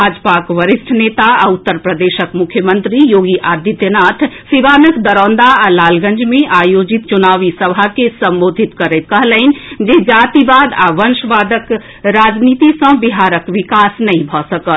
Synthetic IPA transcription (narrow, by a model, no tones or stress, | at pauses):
bʱaːd͡ʒpakʋəɾɪsʈʰneːt̪aʊt̪ːəɾpɾəd̪eːʃəkmʊkʰjəmə̃nt̪ɾijoːɡiʔaːd̪jit̪jənaːt̪ʰsiʋaːnəkd̪əɾɔ̃ːnd̪aalaːlɡə̃nd͡ʒmẽʔaːjoːd͡ʒit̪̚t͡ʃunaːʋisɐbʱakesɐ̃mboːd̪ʱit̪kɐɾet̪̚kɐɦləind͡ʒed͡ʒaːt̪ibaːd̪a̰ːʋənʃʋaːd̪ək | ɾaːd͡ʒniːt̪isə̃biɦaːɾəkʋɪkaːsnɐɦĩbʱɔsəkət̪